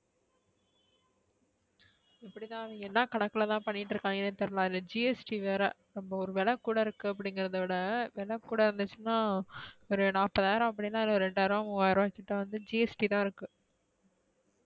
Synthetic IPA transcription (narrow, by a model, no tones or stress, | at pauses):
ɛpːɐɽit̪ãːɐʋɪɡɐɛnːɐkɐɳɐkːɐlɐt̪ãːpɐɳːɪʈːɾɯkːaːŋɡɐnet̪ɐɾɯlãːðɪlːɐd͡ʒiːɛsʈiʋeːɾɐ̰ | nɐmbɐɔɾɯʋɛlɐkːuːɽɐɪɾɯkːɯɐp̬ːɐɽɪŋɡɪɾɐðɐʋɪɽɐʋɛlɐkːuːɽɐɪɾɯnd̪ɯt͡ʃːɯnːaːɔɾɯnaːpːɐðaːɾɐ̃ɐp̬ːɐɽinːaːɪlːɐɔɾɯɾɛɳɖaːɾʋɐ̃maːɪɾɐ̃kɪʈːɐʋɐnd̪ɯd͡ʒiɛsʈit̪ãːɪɾɯkːɯ